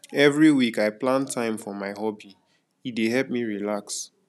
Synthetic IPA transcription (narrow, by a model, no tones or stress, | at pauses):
ɛvɹiwikaɪplãntʰãɪ̃mfɔmaɪhɔbi | ideɦɛlp̚miɹilaks